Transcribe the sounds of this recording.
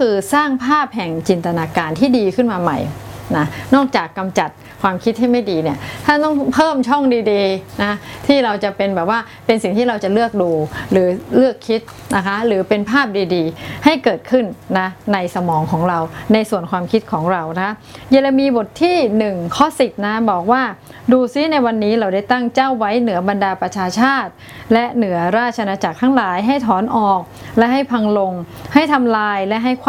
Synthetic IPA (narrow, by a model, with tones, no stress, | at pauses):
kʰɯː˧saː˥˩ŋpʰaː˥˩p̚hɛ˨˩ŋt͡ɕi˧nt̪a˧naː˧kaː˧nt̪ʰiː˥˩diː˧kʰɯ˥˩nmaː˧ma̰˨˩jna˦˥nɔː˥˩k̚t͡ɕaː˨˩kːa˧mt͡ɕa˨˩t̪̚ | kʰwaː˧mkʰi˦˥t̪̚hɦa˥˩jma˥˩jdiː˧ni˦˥˩ɐt̪ʰa˥˩t̪ɔ˥˩ŋpʰɤː˥˩mt͡ɕʰɔ˥˩ŋdiː˧diː˧na˦˥t̪ʰiː˥˩ɾa˧wt͡ɕa˨˩pe˧nbɛː˨˩p̚waː˥˩ | pe˧nsi˨˩ŋt̪ʰiː˥˩ɾa˧wt͡ɕa˨˩lɯ˥˩ək̚duː˧ɾɯː˩˦lɯ˥˩əkʰːi˦˥t̪̚ | na˦˥kʰa˦˥ɾɯː˩˦pe˧npʰaː˥˩p̚diː˧diː˧ha˥˩jkɤː˨˩t̪̚kʰɯ˥˩nːa˦˥na˧jsa˧mɔː˩˦ŋkʰɔː˩˦ŋɾa˧wna˧jsu˨˩ənkʰwaː˧mkʰi˦˥t̪̚kʰɔː˩˦ŋɾa˧wna˦˥kʰa˦˥je˧la˧miː˧bo˨˩t̪ʰːiː˥˩nɯ˨˩ŋkʰɔ˦˥si˨˩t̪̚na˦˥bɔː˨˩k̚waː˥˩ | duː˧si˦˥na˧jwa˧nːiː˦˥ɾa˧wda˥˩jt̪a˥˩ŋt͡ɕa˥˩wːa˦˥jnɯ˩˦ɐba˧ndaː˧pɾa˧t͡ɕʰaː˧t͡ɕʰaː˥˩t̪̚ | lɛ˦˥ʔnɯ˩˦ɐɾaː˥˩t̪̚t͡ɕʰa˧naː˧t͡ɕa˨˩k̚t̪ʰa˦˥ŋlaː˩˦jɦa˥˩jt̪ʰɔː˩˦nʔɔː˨˩k̚ | lɛ˦˥ɦa˥˩jpʰa˧ŋlo˧ŋ | ha˥˩jt̪ʰa˧mlaː˧jlɛ˦˥ɦa˥˩jkʰː